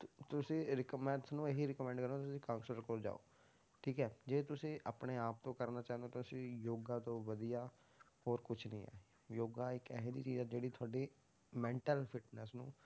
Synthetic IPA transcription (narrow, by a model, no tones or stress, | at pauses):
t̪ʊsĩːɾɪkmɛ̃ːt̪ɪsnũːeɦiɾɪkːmɛ̃ːɳɖkəɾot̪t̪ʊsĩːkãːŋksəɾkoːɾd͡ʒa̰ːo̰ː | ʈʰiːkɛːd͡ʒeːt̪ʊsĩːʔaːpɳeːaːp̚t̪õːkəɾnaːt͡ʃãːnd̪õːt̪ʊsĩːjoːɡãːt̪õːʋəd̪ijaː | hoːɾkʊt͡ʃʰnḭ̃ːɛ̰ː | joːɡaːɪkɛːɦd̪ḭːt͡ʃiːzɛːd͡ʒeːɽiːt̪ʰʊaːɖiː | mɛ̃ːɳʈəlfɪʈnəsnṵ̃ː